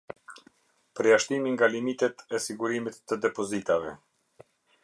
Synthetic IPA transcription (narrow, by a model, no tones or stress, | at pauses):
pəɾjaʃt̪imiŋɡalimit̪ɛt̪ɛsiɡuɾimit̪ːəd̪ɛpɔzit̪avɛ